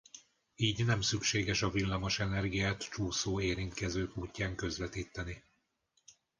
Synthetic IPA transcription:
iːɟnɛmsykʃeːɡɛʃɒvilːɒmo̞ʃɛnɛrɡijaːt̪t͡ʃuːsoːeːɾint̪kɛzøːkuːcːaːŋkø̞zʋɛt̪iːt̪ːɛni

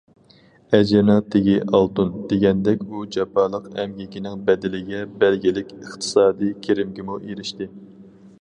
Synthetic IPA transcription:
ɛd͡ʒɪnɨŋt̪ʰɪɡʲiʔɑlˠt̪und̪̥eɡʲɛnd̪ɛkʲud͡ʒɑpʰɑlˠəqɛmɡʲikʲinɪŋbɛd̪ɪlɪɡʲɛbɛlɡʲilɪkʲəχt̪ʰɨ̥sɑːd̪ijkʲʰeɾɪmɡʲɪmuʔeɾɪʃt̪ɪ

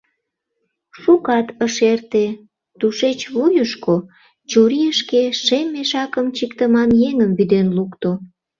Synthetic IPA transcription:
ʃukɑt̪əʃert̪e | t̪uʃet͡ɕβojəʃko | t͡ɕuɾijəʃkeʃemːeʃɑkəmt͡ɕikt̪əmɑnjeŋəmbyd̪enlukt̪o

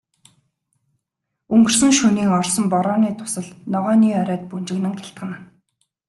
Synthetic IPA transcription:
ɵŋɡɵ̆r̥sɵ̆ŋʃuniːŋɔrsɞ̆mpɔɾɔːniːt̪ʰʊ̥sə̆ɮnɔʁœːniːœɾʲœːt̪̚punt͡ɕɪ̆ɣnɘ̆ŋxʲaɬt̪χə̆n

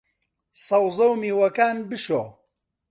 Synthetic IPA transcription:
sɐwzɐwmiːwɐkaːnbɨʃoː

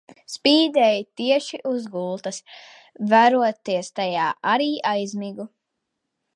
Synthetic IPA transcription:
spiːd̪ɛjt̪iɛʃiʔuzɡulˠt̪ɐs | væɾuɔt̪iɛst̪ajaːʔaɾiːʔajzmiɡu

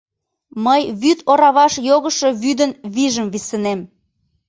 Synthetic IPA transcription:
məjβyt̪oɾɑβɑʃjoɣəʃo̽βyd̪ənβiʒəmβisənem

